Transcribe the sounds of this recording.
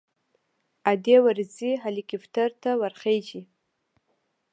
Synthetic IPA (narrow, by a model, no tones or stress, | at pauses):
adewarziɦalikʲʼʰiftʰartʰawarχejd͡ʒi